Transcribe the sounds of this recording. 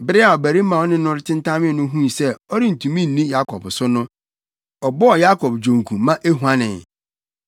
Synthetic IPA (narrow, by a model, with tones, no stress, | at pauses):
bɪ˦ɾɪ˦a˨ɔ˨bæ˨ɾi˦mã˨ɔ˦nɪ̃˦nʊ̃˦ɾɪ˦tʰɪ̃˦n˦tʰã˦mɪ̃˦˨nʊ̃˦ɦũ˦˨sɛ˦ɔ˦ɾi˦n̩˨tʰũ˨mĩ˦n̩˨nĩ˦ja˦kʰɔ̰˨bsʊ˦nʊ̃˦ | ɔ˨bɔ˦ɔ˨ja˦kʰɔ˨bd͡ʑõ˨ŋ˨kʰũ˨mã˦ʔe˦ɦu˨ã˦nɪ̃˨